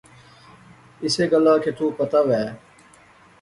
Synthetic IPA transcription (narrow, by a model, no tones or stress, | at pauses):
ɪseːɡəlaːkʰet̪ʰuːpət̪aːʋɛː